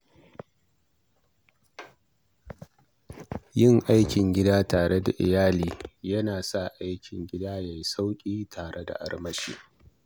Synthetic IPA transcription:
jɪ˦ŋʔa˦jkʲɪ˨ŋɡʲɪ˦daː˦taː˨ɽe˦da̰˨ʔɪ̰˨jaː˦liː˦jɐ˦naː˨sa˦˨ʔa˦jkʲʰɪ˨ŋɡʲɪ˦daː˦ja˨jsa˦wkʲʼiː˦tʰaː˨ɽʔe˦da̰˨ʔa̰˦rmɐ˦ʃḭː˦

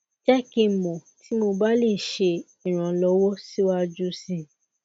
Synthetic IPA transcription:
d͡ʒɛ˦kĩ˧˨mɔ˨ti˨˦mo˧ba˦le˦˨ʃe˧ | i˨ɾ̃ã˨lɔ˧˦wɔ˦si˦wa˦d͡ʒu˦sĩ˧

